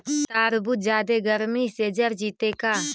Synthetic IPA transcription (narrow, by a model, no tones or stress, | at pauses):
t̪aːɾbʊt̪̚d͡ʒaːd̪eɡəɾmiseːd͡ʒəɾd͡ʒiːt̪ekaː